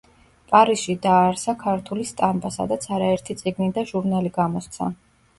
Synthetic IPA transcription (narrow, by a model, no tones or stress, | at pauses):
pʼaɾisʃid̪aːɾsakʰaɾt̪ʰulist̪ʼambasa̰d̪at̪sʰaɾaɛɾt̪ʰit̪sʼiɡnid̪aʒuɾnaliɡamɔst̪sʰa̰